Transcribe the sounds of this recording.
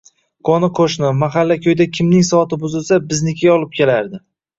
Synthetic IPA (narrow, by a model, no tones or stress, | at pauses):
kʰɒnɪqʰoʃnɪmaɦalːakʲʰɵjd̪akʲʰɪmnɪŋsɒɒt̪ɪbʊzɪlsabɪznɪkʲʰajɒlˠɪp̚kʲʰelaɾd̪ɪ